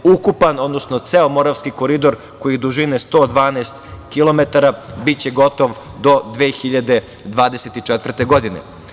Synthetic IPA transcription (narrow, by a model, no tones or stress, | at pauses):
ukupano̞d̪no̞sno̞t̪seomo̞ɾaʋskiko̞ɾid̪o̞ɾ | ko̞jid̪uʒinest̪o̞ːd̪ʋaːnaːst̪kilo̞me̞t̪aɾabitt͡ɕe̞ɡo̞t̪o̞ʋ | d̪o̞d̪ʋeːxiʎad̪e̞ | d̪ʋaːd̪e̞set̪it͡ʂet̪ʋr̩t̪e̞ɡo̞d̪inḛ